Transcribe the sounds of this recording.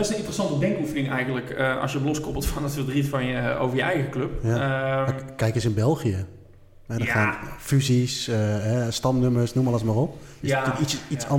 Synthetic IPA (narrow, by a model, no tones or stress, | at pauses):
ɛsənɪntərəsɑntədɛŋkufənɪŋɛjɣəndləkəʔɑ̰sjətloskɔpəlˠtfɔnətfərdritfɔnəo̰ːvərjəɛjɣəkløp̚jamkɛjkəsɪnbɛlˠxijə | ɛdɔaːnfyzisəɦɛstɑmnøməsnumɔləsmaːrop̚ɪsykisisɑ